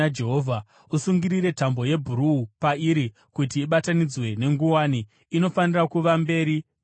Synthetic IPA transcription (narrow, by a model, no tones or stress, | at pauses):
ad͡ʒeɦoːvʱa | usuŋɡiɾiɾe̞tambo̞je̞bʱuɾuupaiɾi | kut̬iːɓatanid͡zwe̞ne̞ŋɡuwaːniː | no̞fanirakuʋambe̞ːɾi